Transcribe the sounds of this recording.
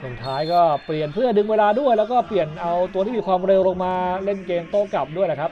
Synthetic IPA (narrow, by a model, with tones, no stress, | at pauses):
so˨˩ŋt̪ʰaː˦˥jkɔː˥˩pli˨˩ənpʰɯ˥˩ɐdɯ˧ŋweː˧laː˧du˥˩əjlɛ˦˥wkɔː˥˩pli˨˩ənʔa˧wt̪u˧t̪ʰiː˥˩iː˧kʰwaː˧mɾe˧wloː˧ŋmaː˧le˥˩nkeː˧mt̪oː˥˩ka˨˩p̚du˥˩əjla˨˩kʰa˦˥p̚